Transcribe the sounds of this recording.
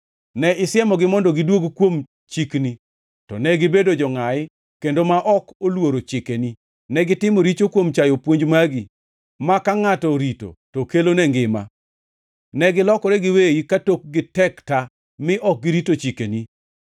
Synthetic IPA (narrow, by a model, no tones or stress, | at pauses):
nɛɪsɪɛmɔɡɪmɔndɔɡɪdwoɡkwom | t͡ʃikni | tɔ̰nɛɡɪbedod͡ʒɔŋajɪ | kendomaʔɔkolwoɾot͡ʃɪkeni | nɛɡɪtɪmoɾit͡ʃokwomt͡ʃajopwoɲd͡ʒmaɡi | makaŋatɔɾito̰tokelonɛŋɡɪma̰ | nɛɡɪlɔkɔɾɛɡɪweikatok̚ɡɪtɛkta | mɪʔɔk̚ɡiɾitot͡ʃikeni